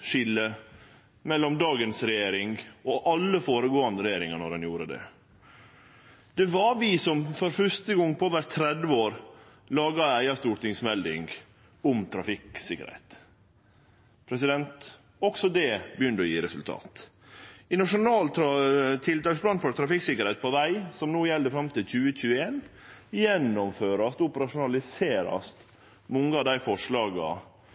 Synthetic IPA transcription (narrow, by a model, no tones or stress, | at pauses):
ʃɪlːə | mɛlːɔmd̪ɑːɡənsɾɛjeːɾɪŋoʔɑlːəfoːɾəɡoːɑnd̪əɾɛjeːɾɪŋɑnɔɾdɛnjuːɾəd̪ɛ̰ | d̪̥ɛʋɑɾʋɪsɔmfɔɾfœʂt̪əɡɔŋːpʰɔoːʋəɾt̪ʰɾɛd̪ʋəoːɾ | lɑːɡɑæɪɑst̪uːɾʈ̪ɪŋsmɛld̪ɪ̰ŋɡ | ʊmt̪ʰɾɑfɪksɪkːə̰ɾhɛ̰ɪt̪ | pʰɾɛsɪd̪ɛnt̪ | ɔksɔd̪ɛbəjʏnd̪əɔjiːɾɛsʉlt̪ʰɑ̰ːt̪ | ɪnɑʂʊnɑːlt̪ɾɑt̪ʰɪlt̪ɑːksblɑːnfɔɾt̪ʰɾɑfɪksɪkəɾhɛɪt̪̚pʰɔʋæɪsɔmnoːjɛld̪əfɾɑmt̪ɪlc͡çʉːəc͡çʉːəeːnjɛnːɔmføːɾɑst̪ʊpəɾɑʂʊnɑlɪseːɾɑ̰st̪ | mɔŋːəɑːd̪æɪfɔʂɭɑːɡɑ̰